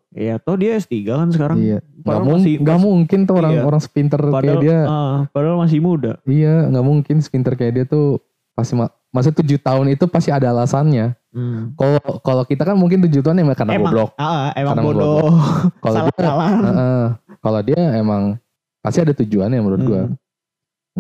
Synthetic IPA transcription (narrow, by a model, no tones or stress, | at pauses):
ijat̪ɔhdiasə̥t̪iɡakansəkaɾaŋiaŋaɡamuŋŋɡaʔmuŋkɪnt̪uhoɾaŋoɾaŋsə̥pint̪ərkajjadiapadalmas̬ɪmuda̰ijaŋɡaʔmuŋkɪnsə̥pint̪ərkajadiat̪u | pasima | mas̬ut̪ud͡ʒut̪aʊnit̪upasiadaːlasanɲa | kolokalokit̪akanmuŋkɪnt̪̬ud͡ʒut̪uanamakərnaɡublɔk̚ekanabbobkalodiaaəʔəkalodiaemaŋ | pasiadat̪ud͡ʒuanjaməɾuat̪̚ɡua